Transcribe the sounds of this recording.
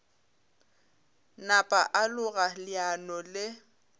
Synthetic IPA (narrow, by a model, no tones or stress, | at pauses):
napʼaʔalʊɣalɪanɔlɪ